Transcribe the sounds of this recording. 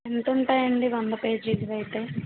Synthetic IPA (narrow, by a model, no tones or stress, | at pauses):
ent̪uɳʈaːjɐɳɖiʋɐnd̪ɐpeːd͡ʒɾiːd͡ʒɐɾɐjit̪eː